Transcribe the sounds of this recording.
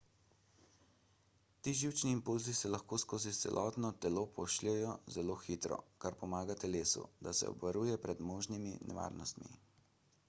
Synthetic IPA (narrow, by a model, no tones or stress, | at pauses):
t̪iːʒiwt͡ʃniːmpulzisɛlaxkoːskoːzit̪sɛ̰lʔɔt̪nɔt̪ɛlopʰɔʃlɛjɔzɛloːxit̪ɾɔ̰kaɾpɔmaːɡat̪ɛleːsṵd̪asɛ̰ɔ̰bʋɐɾuːjɛpɾɛd̪moːʒniminɛ̰ʋa̰ːɾnɔst̪mḭ